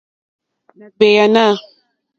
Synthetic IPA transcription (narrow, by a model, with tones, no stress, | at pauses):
na˨ɡ͡be˨ja˨na˦˨